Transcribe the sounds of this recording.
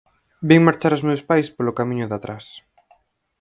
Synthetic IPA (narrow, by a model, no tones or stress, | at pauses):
biŋmaɾt͡ʃaɾozmewspajspolʊkamĩɲʊðat̪ɾas